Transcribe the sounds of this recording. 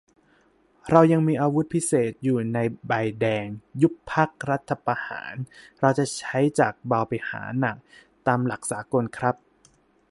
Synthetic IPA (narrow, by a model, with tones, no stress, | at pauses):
ɾa˧wja˧ŋmiː˧ʔaː˧wu˦˥t̪̚pʰi˦˥seː˨˩t̪̚juː˨˩na˧jba˧jdɛː˧ŋju˦˥kpʰːa˦˥k̚ɾa˦˥t̪ʰːa˧pa˧ha̰ː˩˦nɾa˧wt͡ɕa˨˩t͡ɕʰa˦˥jt͡ɕaː˨˩k̚ba˧wpa˧jha̰ː˩˦na˨˩k̚ | t̪aː˧mla˨˩k̚saː˩˦ko˧nkʰɾa˦˥p̚